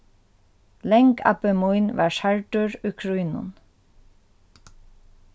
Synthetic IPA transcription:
lɛŋka̰pəmujnʋɑ̰ːɹʃaɹʈʊɹʊkʰɹujnʊ̰n

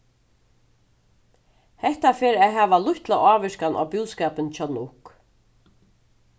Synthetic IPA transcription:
hɛht̪afeːɾɛːɦæːʋalʊht̪laaːʋɪʃkanʔa̰buːskɛːpɪnt͡ʃʰanʊhk

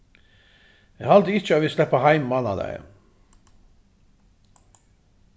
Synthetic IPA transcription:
ehɑld̪əɪt͡ʃəoːʋɪslɛpəhɑɪmmɑnɑ̰d̪æ̰ɪ

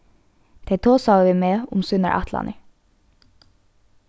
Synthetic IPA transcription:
d̪̥ʰeɪt̪ʰoːsɑʋɪmeːʊmsʉnə̰ɹʔɑ̰t̪ʰlɑ̰nə

